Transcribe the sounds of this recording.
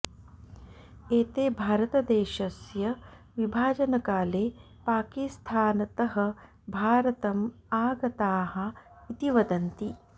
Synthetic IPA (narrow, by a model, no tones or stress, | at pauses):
eːt̪eːbʱaːɾɐt̪ɐd̪eːʃɐsjɐ | ʋibʱaːd͡ʒɐnɐkaːleː | paːkist̪ʰaːnɐt̪ɐɦɐ | bʱaːɾɐt̪ɐm | aːɡɐt̪aːɦɐ̆ | it̪iʋɐd̪ɐnt̪i